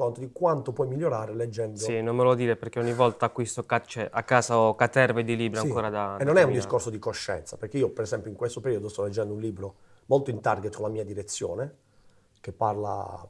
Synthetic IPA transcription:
ont̪od̪ikwant̪opwɔjmiljːoɾaːɾeled͡ʒːɛnd̪oinonmelod̪iːɾeperk̟eɔɲːivɔlt̪aːkːwist̪okat͡ʃːɛakːaːsaɔkat̪ːɛɾved̪iliːbɾiaŋkoːɾad̪anːonɛund̪iskorsod̪ikoʃːɛ̰nt̪sapeɾrk̟eiːopeɾezɛmpjoiŋkwest̪opeɾiːod̪ost̪ɔlːed͡ʒːɛnd̪ounliːbɾo | molt̪oint̪arɡet̪ːkolamiːad̪iɾet̪sːjo̰ːne | k̟epːarla̰

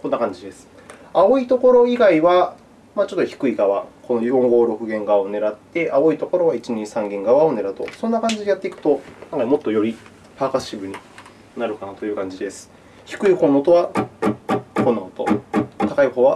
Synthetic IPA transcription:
ko̞nːakãɲ̟d͡ʑid̪e̞sɨ̥ | ao̞it̪o̞ko̞ɾo̞iɡaiβa | mat͡ɕo̞t̪ːo̞çi̥kɯ̟iɡaβako̞nojɦõ̞ŋɡo̞ːɾo̞kɯ̟ɡẽ̞ŋɡaβaone̞ɾat̪ːe̞ʔao̞it̪o̞ko̞ɾo̞βait͡ɕiɲ̟ĩɰsãŋɡẽ̞ŋɡaβaone̞ɾat̪o̞̰sõ̞nːakãɲ̟d͡ʑid̪ejat̪ːe̞ikɯ̟̥t̪o̞kãŋkaimo̞t̪ːo̞jo̞ɾʲi | paːkasɨ̥ɕibɯ̟ɲ̟i | naɾɯ̟kanat̪ojɯ̟ːkãɲ̟d͡ʑid̪e̞sɨ̥ | çi̥kɯ̟iho̞nːot̪o̞βa | kõ̞nːaot̪o̞̰t̪akaiɦo̞ːβa

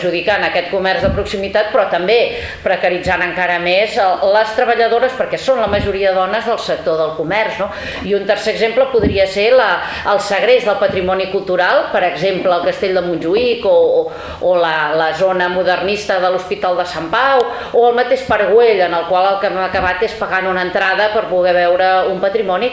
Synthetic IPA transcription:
ʒuðikanəkɛt̪̚kumɛrzðəpɾuksimit̪at̪̚pɾɔt̪əmbe | pɾəkəɾid͡zanəŋkaɾəmezələst̪ɾəβəʎəðoɾəspəɾkɛsonləməʒuɾiəðəðɔnəzðəlˠsək̚t̪oðəlˠkumɛrzno | iunt̪ərseəɡzempləpuðɾiəselə | əlˠsəɣ̞ɾezðəlˠpət̪ɾimɔnikulˠt̪uɾalˠpəɾəɡzempləːlˠkəst̪eʎʲd̪əmunʲʒuiko | olələzonəmuðərnist̪əðəluspit̪alˠd̪əsampaw | oəlˠmət̪eʃpəɾɣweʎənəlˠkwalˠəlˠkɛməkəβat̪espəɣanunənt̪ɾaðəpəɾpuɣɛβɛwɾəumpət̪ɾimɔni

